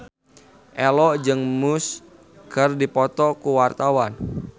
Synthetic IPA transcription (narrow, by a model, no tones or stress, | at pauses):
ʔɛlɔʔd͡ʒɨŋmus | kərdipɔt̪ɔkuwart̪awan